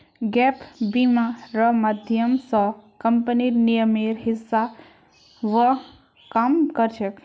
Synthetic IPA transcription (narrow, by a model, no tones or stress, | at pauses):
ɡɛpbimaɾəmad̪ʱjəmsəkəmpəniɾnijəmeɾɦisːa | ʋə | kamkəɾt͡ʃʰək